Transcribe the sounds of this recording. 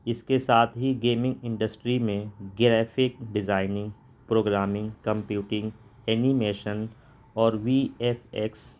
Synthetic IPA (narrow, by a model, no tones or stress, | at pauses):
ɪskesaːt̪ʰɦiɡeːmɪ̃ŋɡɪ̃ɳɖəsʈɾimẽɡɾɛːfʰɪk̚ɖɪzaːɪnɪ̃ŋɡ | pɾoːɡɾaːmɪ̃ŋɡkə̃mpjuːʈɪ̃ŋɡ | ɛːnimeːʃən | ɔːɾʋiɛfɛks